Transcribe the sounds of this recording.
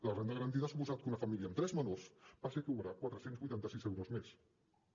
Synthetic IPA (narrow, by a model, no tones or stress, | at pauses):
lərend̪əɣəɾənt̪̬iðasupuzat̪̚kunəfəmiliəmt̪ɾɛzmənorspasekəuβɾakwat̪ɾəsenzβujt̪ant̪əsizɛwɾozmes